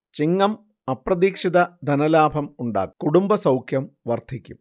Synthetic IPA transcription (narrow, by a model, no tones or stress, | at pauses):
t͡ɕiŋːɐm | ɐprɐðiːkʂid̪ɐd̪ʱɐnɐlaːbʱɐmuɳɖa̰ːkːkuɽumbɐsɐwkʰjɐmʋɐrd̪ʱikʲːum